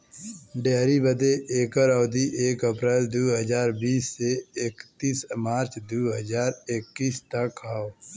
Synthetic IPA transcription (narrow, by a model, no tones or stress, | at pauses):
ɖeːɾibəd̪eʔeːkəɾɔːd̪iʔeːkəpɾeːld̪uɦəd͡ʒaːɾbiːsːeɪkt̪iːsmaːɾt͡ʃd̪uɦəd͡ʒaːɾekːiːst̪ɐkaːo